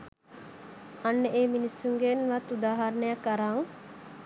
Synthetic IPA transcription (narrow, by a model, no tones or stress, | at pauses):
anːəʔeːminisuŋɡenʋat̪ːud̪aːɦaɾnəjakːaɾaŋ